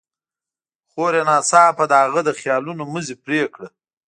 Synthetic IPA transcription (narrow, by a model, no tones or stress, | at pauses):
χoɾenɑːsɑːpad̪əaɣəd̪əxjɑːlunoməzepɾekɽə